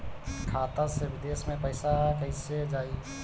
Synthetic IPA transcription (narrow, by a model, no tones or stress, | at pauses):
kʰat̪əsebid̪esmẽpəɪsakəɪsed͡ʒaːi